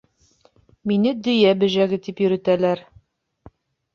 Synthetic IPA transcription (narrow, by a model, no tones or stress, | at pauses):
minɘd̪ɵ̆jæbɘ̆ʑæɡɘt̪ipjɵ̆ɾɘ̆t̪ælæɾ